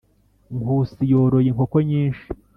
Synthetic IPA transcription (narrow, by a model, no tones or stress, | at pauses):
ŋkusijoːɾo̞jiŋkokoɲiːnʃi